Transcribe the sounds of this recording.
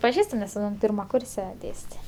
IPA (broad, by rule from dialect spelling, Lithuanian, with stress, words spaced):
pɐˈʒʲiːstʊ nʲɛs ˈpʲiːrmɐ ˈkʊrʲsʲɛ ˈdʲeːsʲtʲeː